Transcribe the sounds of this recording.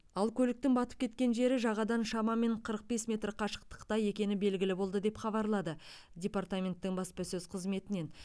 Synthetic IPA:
ɑlˠkʲʰɵlɪk̚t̪ɪŋbɑt̪əp̚kʲʰe̞t̪̚kʲe̞nʒe̞ɾɪʒɑʁɑd̪ɑnʃɑmɑme̞ɴqʰəɾəq̚be̞smʲe̞t̪rqʰɑʃə̥q̚t̪ə̥qt̪ɑje̞kʲe̞nɪbe̞lɡʲɪlɪbo̞lˠd̪əd̪e̞pχɑβɑɾlˠɑd̪ə | dʲe̞part̪amʲe̞nt̪ːɪŋbɑspəsɵzqʰəzme̞t̪ɪne̞n

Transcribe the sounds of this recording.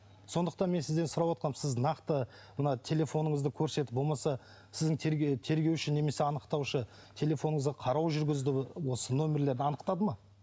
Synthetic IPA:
so̞nd̪əq̚t̪ɑnmesɪzd̪e̞nsʊɾɑwot̪̚qɑnsɪznɑqt̪ə | mənɑt̪ʰe̞lʲe̞fo̞nəɴəzd̪əkʲʰɵɾse̞t̪ɪ̥p̚bomɑsɑ | sɪzd̪ɪŋt̪ʰeɾt̪ʰe̞ɾɡʲe̞wʃɪne̞me̞se̞ɑnəqt̪ɑwʃə | t̪ʲʰe̞lʲe̞fo̞nəɴəzdɑqʰɑɾɑwʒʏɾɡʲɪzd̪ɪwo̞səno̞mʲe̞ɾle̞ɾd̪ɪɑnəqt̪ɑd̪əmɑ

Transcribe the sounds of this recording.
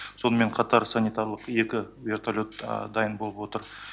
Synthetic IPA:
so̞nəme̞ɴqʰɑt̪ɑɾsanit̪aɾlˠəqe̞kʲɪ | vʲe̞rt̪ʰalʲot̪d̪ɑjənbolˠəpwo̞t̪əɾ

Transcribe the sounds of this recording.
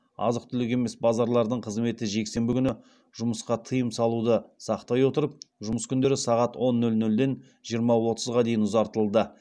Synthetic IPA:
ɑ̰zəq̚t̪ʰʏlɪk̬ʲe̞me̞sbɑzɑɾlˠɑɾd̪əɴqʰəzme̞t̪ɪʒe̞kse̞mbɪkʲʏnɪ | ʒ̥ʊməsqɑt̪ʰəjəmsɑlˠud̪əsɑqt̪ɑjwo̞t̪əɾəp̚ʒʊməskʲʰʏnd̪e̞ɾɪsɑʁɑt̪wo̞nːɵlnɵld̪e̞n | ʒijəɾmɑwo̞t̪ʰəzʁɑd̪e̞jɪnʊzɑɾt̪əlˠd̪ə

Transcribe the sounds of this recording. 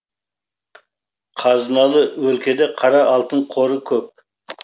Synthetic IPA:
qʰɑzənɑlˠəwɵlkʲʰe̞d̪eqʰɑɾɑʔɑlˠt̪əɴqʰo̞ɾəkʲʰɵp̚

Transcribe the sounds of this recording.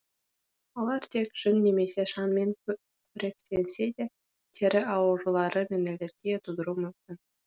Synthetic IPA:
ŏlˠɑrt̪ʲekʲʒ̥ɘnːʲemʲesʲeʂɑnmʲenʲ | pʲrʲekʲt̪ʲenʲz̥ʲed̪ʲe | t̪ʲʰeɾʲɘ̆ʔɑwɤ̆ʐɤ̆lˠɑɾʔɤ̆mʲenʲĕlʲĕrɡʲeet̪ud̪ɤ̆ɾumykt̪ʲɘ̆n

